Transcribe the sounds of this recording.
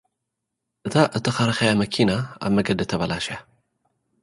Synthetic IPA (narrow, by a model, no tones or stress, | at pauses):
ʔɨt̪ʰaʔɨt̪ʰːɐxɐɾɐxɐjamɐkʰinaa̰βmɐɡɐd̪ɨt̪ʰːɐβɐlaʃja